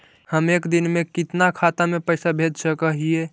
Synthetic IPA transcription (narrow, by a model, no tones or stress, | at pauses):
həmeːkd̪ɪnmẽkɪt̪nakʰat̪amẽpəɪsabʱed͡ʒ̪səkəɦie